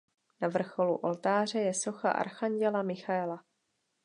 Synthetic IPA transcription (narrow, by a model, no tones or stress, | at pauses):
navr̩xo̞lṵʔo̞lt̪aːr̝ɛjɛso̞xa̰ʔa̰ɾxaɲɟɛlamɪxaɛla